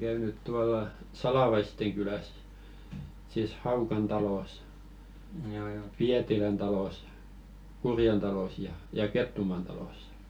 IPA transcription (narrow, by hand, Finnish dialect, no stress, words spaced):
kæynyt tuɑlɑ sɑlɑˑʋɑisteŋ kylæs siˑs hɑukɑn tɑloˑs piætilæn tɑloˑs kurjen tɑloˑs jɑ jɑ ketːumɑˑn tɑloˑsːɑ̥